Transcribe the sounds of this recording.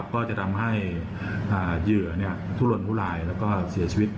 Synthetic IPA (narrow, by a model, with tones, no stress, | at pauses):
p̚kɔː˥˩t͡ɕa˨˩t̪ʰa˧mɦa˥˩j | ʔaː˨˩jɯ˨˩ɐəni˥˩ɐt̪ʰuː˦˥˩lo˧˩npʰuː˥˩laː˧jlɛː˦˥wkɔː˥˩si˨˩˦ɐt͡ɕʰi˧wi˦˥t̪̚